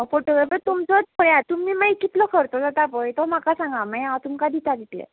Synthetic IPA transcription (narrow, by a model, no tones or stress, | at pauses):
foʈoɡɾafət̪umt͡sɔd͡zpʰɔɾjat̪umiːmajkit̪lɔkʰəɾt̪ɔd͡zat̪apɔjt̪ɔmakasãŋɡamajãt̪umkad̪it̪ad̪it̪lɛ̰